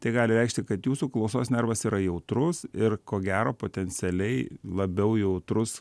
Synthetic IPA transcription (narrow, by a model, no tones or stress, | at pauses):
t̪ɐɪɡɑːlʲɪɾʲɛɪkʃʲt̪ʲɪkɐt̪juːsuːklˠɐʊsoːsnʲɛɾʋɐsiːɾɐjɛʊt̪ɾʊsɪrkoːɡʲæːɾoːpoːt̪ʲɛnʲsʲɛlʲɛɪlˠɐbʲɛʊjɛʊt̪ɾʊs